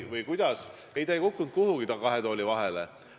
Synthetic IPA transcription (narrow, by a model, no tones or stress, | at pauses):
vɤjkujd̪̥ɑs | e̞jt̪æjkukːˑunt̪̚kuhuɡit̪ɑkɑɦe̞t̪o̞ːlʲivɑɦe̞lḛ